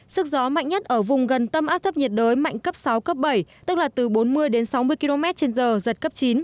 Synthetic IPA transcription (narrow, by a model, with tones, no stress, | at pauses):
sɨ˦˥k̚zɔ˨˦ma̰˧˨jŋ̟ɲə˦˥t̚ʔəː˧˩vʊ˨˩ŋ͡mɣə˨˩nt̪ə˧mʔaː˦˥p̚t̪ʰə˦˥p̚ɲə˨˩t̚ɗəː˨˦jma̰˧˨jŋ̟kə˦˥p̚sa˨˦wkə˦˥p̚ɓə˧˩jt̪ɨ˦˥k̚laː˨˩t̪ɨ˨˩ɓo˨˦nmɨ˧əjɗe˨˦nsa˨˦wmɨ˧əki˧lo˧mɛ˦˥t̚t͡ɕe˧nzəː˨˩zə˨˩t̚kə˦˥p̚t͡ɕi˨˦n